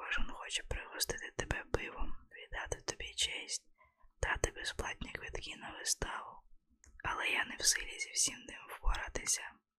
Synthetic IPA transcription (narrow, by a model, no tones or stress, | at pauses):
ɔʒinxɔt͡ʃɛ̥pɾɪɦɔst̪ɪt̪ɪt̪ebɛbɪʋɔmʋʲid̪ɑt̪ɪwt̪ɔbʲit͡ʃɛsʲtʲ | d̪̥ɑt̪ɪbɛsplˠɑt̚ʲnʲɐkʋid̪kʲinɐʋɪst̪ɑlˠɔ | ɐlˠɛjanɛwsɪlʲizʲiwsʲimnɪmwpɔɾat̪ɪsʲɐ